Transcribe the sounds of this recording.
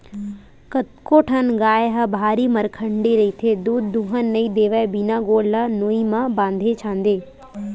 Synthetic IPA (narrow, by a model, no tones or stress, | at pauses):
kɐt̪koʈʰɐnɡaːjɦɐbʱaːɾimɐɾkʰəɳɖiɾɐɦiːt̪ʰed̪uːd̪ːũɦənːɐĩd̪eːʋaebinaɡoːɽlɐnoːimãbãːnd̪ʱet͡ɕʰãːnd̪eː